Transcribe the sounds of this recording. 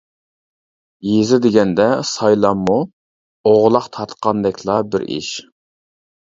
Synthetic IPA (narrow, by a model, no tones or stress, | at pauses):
jezɪd̪ɪɡʲɛnd̪ɛsɑjlˠɑmːu | oʁlˠɑqt̪ʰɑɾt̪qʰɑnd̪ɛkʲʰlˠɑbɪɾḭʃ